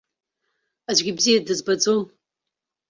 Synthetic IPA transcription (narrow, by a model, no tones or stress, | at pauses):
aʒʷɡʲibzijadɨzbad͡zon